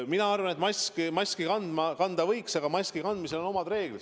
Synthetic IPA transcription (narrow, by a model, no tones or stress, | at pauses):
minɑɑrvɑne̞t̪mɑskimɑsʲkikɑnd̪mɑkɑnd̪ɑvɤjksɑɡ̥ɑmɑsʲkikɑnd̪mise̞lo̞no̞mɑd̪̥re̞ːɡ̥lid̪̥